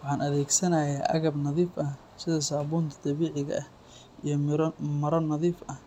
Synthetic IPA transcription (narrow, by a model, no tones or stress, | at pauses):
wɑħɑːnɐðɛːɡsɐnɐjaːʔɐ̰ɣɐbnɐðiːfʔɐ | sɪðɐsaːβuːnt̪ʰɐd̪̥ɐβiːʕɪɣɐ̰ɐh | ʔijɞmɐɾɔnɐðiːfɐh